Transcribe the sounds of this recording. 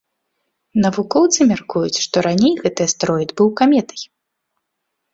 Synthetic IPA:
nɐvukɔwt̪sɨmʲarkujut͡sʲʂt̪ɔɾanʲejɣɛt̪ɨjɐst̪ɾɔjid̪bɨwkamʲɛt̪ɐ̥j

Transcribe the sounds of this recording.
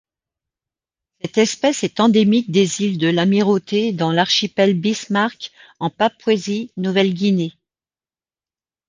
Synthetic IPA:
sɛt̪ɛspɛsɛt̪ɑ̃d̪emik̚d̪ezild̪əlamiʁot̪ed̪ɑ̃laʁʃipɛlbismaʁk | ɑ̃papwezinuvɛlɡʲine

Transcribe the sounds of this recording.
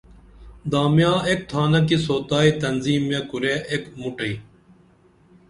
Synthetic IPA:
d̪aːmjãːek̚t̪ʰaːnɐk̬isoːt̪aːit̪ɐnziːmːekuɾeːʔekmuʈɐi

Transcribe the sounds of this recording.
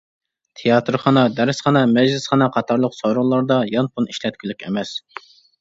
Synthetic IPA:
t̪ʰejɑt̪ʰɨɾχɑnɑd̪æɾsχɑnɑmɛd͡ʒlɪsχɑnɑqʰɑt̪ʰɑɾlˠəqsoɾuʁlˠɑɾd̪ɑjɑnpʰuniʃlɛt̪̚kʲʰylykʲʰḛmɛs

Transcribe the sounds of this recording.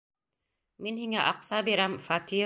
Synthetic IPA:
minhiŋæʔɑqsabiɾæmfat̪i

